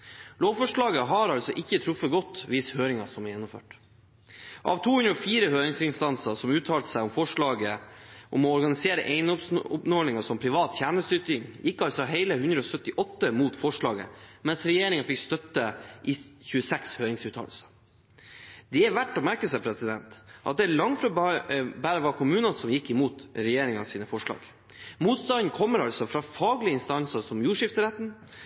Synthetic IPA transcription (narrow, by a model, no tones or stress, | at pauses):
loːʋfɔʂɭɑːɡəɦɑɾɑlsɔʔɪçːət̪ʰɾʊfəɡɔt̪ːʋɪshøːɾɪŋɑsɔmɛɾjɛnːʊmfø̰ːʈ | ʔɑ̰ʋt̪ʰuːhʉnɾɔfiːɾəhøːɾɪŋsɪnst̪ɑnsəsɔmʉːt̪ʰɑːlt̪əsæɪɔmfɔʂɭɑːɡəʔɔmɔɔɾɡɑnɪseːɾə̰ʔeɪnəɔpsʊpnɔːlɪŋɑsɔmpʰɾɪʋɑːt̪çæːɳəst̪ʏt̪ɪŋjɪkːɑlsɔɦeɪləhʉnd̪ɾəɔsœt̪ːɪʔɔt̪ːəmuːt̪fɔʂɭɑːɡə̰mɛnsɾɛjeːɾɪŋɑfɪkst̪œt̪ːəʔɪçʉːəsɛkshøːɾɪŋsʉːt̪ʰɑ̰ləsə̥ | d̪̥ɛæʋæʈːɔmæɾkəsɛpʰɾɛsɪd̪ɛnt̪ʔɑ̰t̪̚d̪ɛɭɑŋfɾɑbæːɾəʋɑɾkʰʊmʉːnənsɔmjɪkːɪmuːt̪ɾɛjeːɾɪŋɑ̰siːnəfɔʂɭɑ̰ːɡ̥ | muːt̪st̪ɑnn̩kʰɔmːəɾɑlsɔfɾɑːfɑːɡlɪəɪnst̪ɑnsəsɔmjuːʂɪft̪əɾɛt̪ːn̩